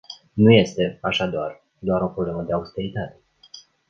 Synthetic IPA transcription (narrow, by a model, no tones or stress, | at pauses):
nuje̞st̪e̞aʃad̪oar | d̪oaɾo̞pɾo̞ble̞məd̪e̞aust̪e̞ɾit̪at̪e̞̥